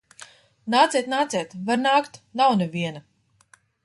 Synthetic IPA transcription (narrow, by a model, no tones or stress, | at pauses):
naːt̪sʲɛːt̪naːt̪sɛːt̪vaɾnaːkt̪nawneviɛna